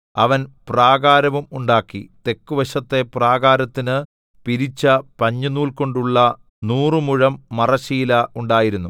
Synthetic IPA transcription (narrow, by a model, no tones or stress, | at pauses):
ɐʋɐnpraːɡaːɾɐʋumuɳɖaːkːḭt̪e̞kːuʋɐɕɐt̪ːe̞praːɣaːɾɐt̪ːinɨ | piɾit͡ɕːɐpɐɲːunːuːlko̞ɳɖuɭːɐ | nuːrɨmuɻɐmːɐrɐɕiːlɐuɳɖaːjiɾunːu